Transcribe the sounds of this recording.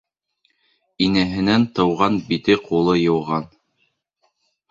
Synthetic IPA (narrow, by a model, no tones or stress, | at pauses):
inæɦɘ̆nænt̪ɤ̆wʁɑnbit̪ɘqʰulˠɤjɤ̆wʁɑn